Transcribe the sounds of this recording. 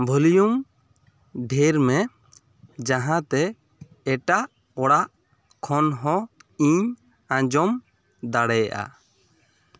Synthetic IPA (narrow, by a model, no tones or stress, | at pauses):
bʱulijum | ɖʱeɾmɛ | d͡ʒaɦãt̪ɛː | ʈaʔ | ɔɽaʔ | kʰɔnɦɔ̃iɲ | ãd͡ʒɔm | d̪aɽɛjaʔa̰